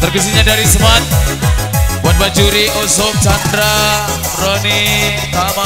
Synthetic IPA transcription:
t̪ərkis̬iɲadaɾisəmat̪̚ | buat̪̚bad͡ʒuɾiʔosʊk̚t͡ʃandɾa | roni | tama

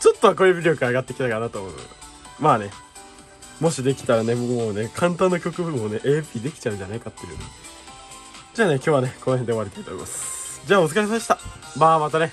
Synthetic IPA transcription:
t͡ɕot̪ːoak̬oɾɯbʲiɾʲo̞kɯaɡat̪ːekʲi̥t̪akanat̪oːmoɯ̰ | maːne̞ | mo̞ɕid̪e̞kʲi̥t̪aɾane̞moːne̞kʰãnt̪̬ãnːakʲo̞kɯ̟bɯɯone̞ʔeːbiid̪e̞kʲi̥t͡ɕaɯ̟ɲd͡ʑanaikat̪ːejɯ̟̰nḛ | d͡ʑaːne̞kʲo̞ːβane̞ko̞no̞hẽ̞nd̪e̞aɾit̪ait̪oːḭmasɨ̥d͡ʑaːot͡sɨkaisɕi̥t̪amaːmat̪ane̞

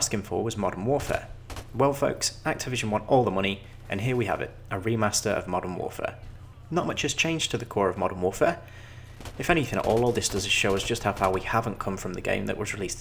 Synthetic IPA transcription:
skɪ̃ŋfə̰˞wɒzmɑɾənwɔɹfɛ̰ɹwɛlˠfoʊksak̚tʰɨvɪʒə̃nwɒ̃ntɔlˠðəmʌñi | ʔɨ̰̃nɦɪəwiə̰vɪ̰t | ʔəɹimastə˞ə̰vmɑɾə˞nwɔ̰ɹfɛ̰ɹ | nəʔ̚mʌt͡ʃɨz̥t͡ʃʰẽɪ̃nd͡ʒ̥tʰəðɨkʰɔːɹəvmɒɾənwɔˑɹfɛɹ | ɨfɛñɪθɪ̃ŋə̰ʔɔːlˠɔlˠðɪsd̥ʌzɪʃoʊɪzd͡ʒʌsthaʊfaʊwihavə̃nkʰʌ̃ɱfɹə̃mðɨɡḛ̃ɪ̃mðə̰ʔwʔʌzɹɪlis

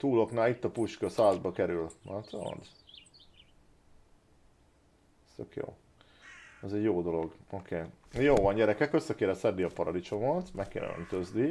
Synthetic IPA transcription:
t̪uːlo̞knaːlit̪ːɒpuʃkøsaːzbɒkɛɾylmʔat̪o̰rd̪ | ɛst̪økjo̰ː | ɛzɛɟjoːd̪o̞lo̞ɡokʰeːjoːvɒɲɟɛɾɛkɛkø̞sːɛkeːɾɛsɛd̪ːiɒpɒɾɒlit͡ʃo̞mot̪mɛkːḛːnɛ̰ø̰nt̪øzd̪i

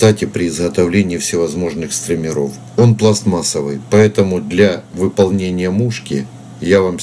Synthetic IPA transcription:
t̪atʲɪpɾʲɪːzɣət̪ɐvlʲenʲɪːfsʲɪvɐzmo̞ʐnɨxst̪ɾəmʲɪɾo̞̰f | o̞nplˠast̪masəvɨjpɐɛt̪əmʊd̪lʲɐvɨpɐlˠnʲenʲɪjəmuʂkʲɪ̰ | javam

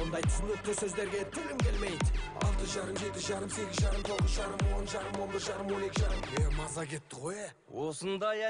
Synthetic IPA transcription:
ond̪ɑjt̪ʰɪ̥sɪnek̚t̪ːɪsɵzd̪e̞ɾɡʲe̞t̪ʰʏlɪmkʲelme̞jd̪ɑ̰lˠt̪əʒɑɾəmʒe̞t̪ɪzʒɑɾəmse̞ɡʲɪzʒɑɾəmt̪ʰo̞ʁəzʒɑɾəmwo̞nʒɑɾəmwo̞nbɪɾʒɑɾəmwo̞ne̞kʲɪʒɑɾəmemɑzɑkʲʰe̞t̪ːɪʁo̞je | wosənd̪ɑj

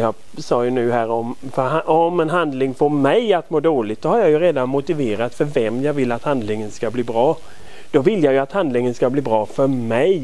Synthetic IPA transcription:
jɑː | sɑːjɵnʉ̟ːɦæːɾɔmfhɔmɛnɦand̪lɪŋfoːɾmɛjat̪moːd̪oːlɪɡt̪sɔhaɾjajɵɾeːd̪anmʊt̪ɪveːɾat̪fœɾvɛmjɑːɡvɪlːat̪hand̪lɪŋənskabliːbɾɑː | d̪̥ɔvɪlːjajɵat̪hand̪lɪŋənskabliːbɾɑːfœɾmɛj

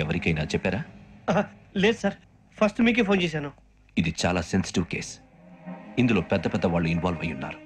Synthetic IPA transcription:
ɛʋɐɾikɐjnaːt͡ʃɛpːaːɾaːaleːd̪sɐɾ | pʰɐsʈmiːk̬eːpʰoːnt͡ʃeːs̬aːnu | id̪it͡ʃa̰ːlaːsensi̥ʈiʋkeːs | ind̪ulo̞ːpɛd̪ːɐpɛd̪ːɐʋaːɭːuinʋaːlʋɐjːunːa̰ːɾu

